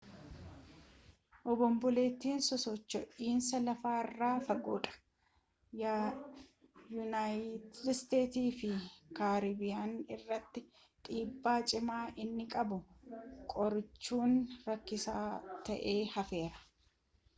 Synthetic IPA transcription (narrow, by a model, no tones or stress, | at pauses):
ʔɔbɔmbʊleːt̪ːiːnsɔsɔt͡ʃːɔʔiːnsɐlɐfaːɪrːaːfɐɡuːᶑɐ̥ | ja | jʊnajɪt̪ɪdst̪e̞ːt̪iːfɪkaːɾiːbɪjaːnɪrːɐt̪ːɪ | t̪ʼiːbːaːt͡ʃʼɪmaːʔɪnːɪkʼɐbʊkʼɔɾt͡ʃːuːnɾɐkːɪsaːt̪ɐʔe̞ːhɐfe̞ːɾɐ̥